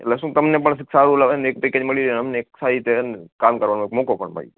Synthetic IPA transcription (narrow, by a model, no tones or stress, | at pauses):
ḛt̪lesũt̪əmnepəɳs̬ɪksaɾulaʋenek̚piked͡ʒməɭiɾəmneksait̪enkamkəɾʋanũekmokopə̰ɳmə̰ɭḭ